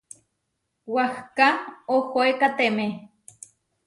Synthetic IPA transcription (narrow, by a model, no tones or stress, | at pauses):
wahkaohoekat̪eme